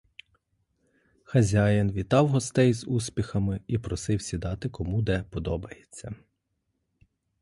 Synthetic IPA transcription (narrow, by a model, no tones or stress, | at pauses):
xɐzʲajɐnʋʲit̪ɑwɦɔst̪ɛjzuspʲixɐmɪipɾɔsɪwsʲid̪ɑt̪ɪkɔmud̪ɛpɔd̪ɔbɐjet͡sʲːɐ